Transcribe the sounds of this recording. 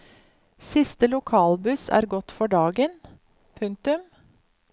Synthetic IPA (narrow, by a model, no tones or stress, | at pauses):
sɪst̪əlʊkʰɑːlbʉsæ̰ːɾɡɔt̪fɔɖɑːɡən | pʰʉŋ̚t̪ʉm